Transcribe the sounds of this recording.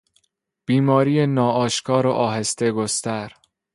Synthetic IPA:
b̥iːmɒːɾiːjenɒːɒːʃkʰɒːɾoʔɒːɦest̪e̞ɡost̪æɾ

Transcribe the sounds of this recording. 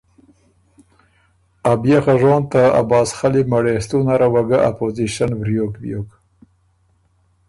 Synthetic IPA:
abjexaʐoːnt̪aa̰bɑːsxalimaɽest̪unaɾawaɡaʔa̰poziʃanvɾjokbjok

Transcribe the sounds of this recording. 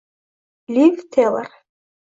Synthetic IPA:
lʲivt̪ʰelˠə̰r

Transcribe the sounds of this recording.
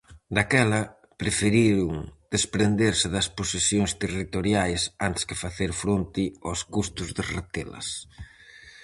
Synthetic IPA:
d̪akɛlɐ | pɾefeɾiɾʊŋd̪̥espɾend̪eɾsɪðɐsposesjoŋst̪erit̪oɾjajsant̪ɪ̥skɪfaθeɾfɾont̪ɪoskust̪ʊzðɪrat̪elɐ̰s

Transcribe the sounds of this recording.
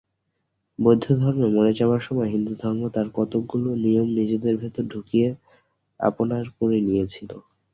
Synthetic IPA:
bojd̪ʱːod̪ʱɔɾmemɔnet͡ɕabaɾʃɔmɔjɦind̪ud̪ʱɔɾmot̪aɾkɔt̪oɡuloniomnid͡ʑed̪eɾbʱet̪oɾɖʱukie | a̰ponaɾpuɾinijet͡ɕʰilo

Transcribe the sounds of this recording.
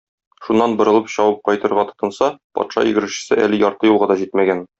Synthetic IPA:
ʃunːɑnbɤ̆ɾɤ̆lˠɤpɕɒwɤp̚qɒjt̪ɤ̆ɾʁɑt̪ɤ̥̆t̪ɤ̆nsɑpɒ̰t̪ʃɑ̰ḭ̆ɡɘ̆ɾɘ̆ɕɘ̥̆sɘʔæ̰lɘjɒɾt̪ɤjulˠʁɑd̪ɒʑit̪mæɡæn

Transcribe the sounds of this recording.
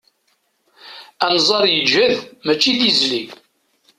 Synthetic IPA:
ænzˤɑɾˤjəd͡ʒæðmæt͡ʃːiðizli

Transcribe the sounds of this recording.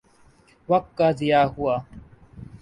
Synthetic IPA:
ʋək̚kːaːzɪjaːɦuaː

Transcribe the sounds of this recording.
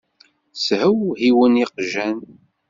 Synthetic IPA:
shəwhiwəniqʒæn

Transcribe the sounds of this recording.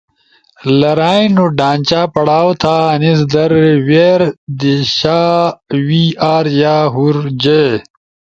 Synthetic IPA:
lɐɾaːinuɖaːnʲt͡ɕaːpɐɽaːwt̪ʰaːnisd̪ɐɾweːɾd̪iɕaːwiaːɾjaːɦuɾd͡ʑe

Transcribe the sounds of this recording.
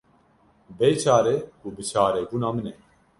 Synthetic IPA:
beːt͡ʃʰaːɾekuːbɨt͡ʃʰaːɾɛbuːnaːmɨnɛ

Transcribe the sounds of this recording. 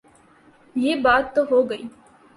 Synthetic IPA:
jeːbaːt̪ːoɦoːɡɐiː

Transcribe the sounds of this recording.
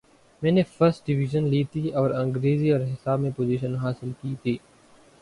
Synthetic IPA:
mɛ̃ːnefɐɾsʈ̚ɖɪʋiʒənliːt̪ʰiɔːɾɐ̃ŋɡɾeːziɔːɾɦɪsaːbmẽpoːziːʃənɦaːsɪlkiːt̪ʰiː

